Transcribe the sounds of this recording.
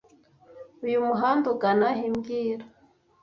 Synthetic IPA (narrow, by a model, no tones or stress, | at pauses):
ujumuɦaːndukanaɦimɡiːɾa